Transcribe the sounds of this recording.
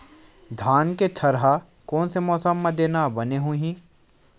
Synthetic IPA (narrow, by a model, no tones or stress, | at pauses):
d̪ʱaːnket̪ʰɐɾɦa | kɔːnsemɔːsəmːed̪eːnabɐneɦũɦĩː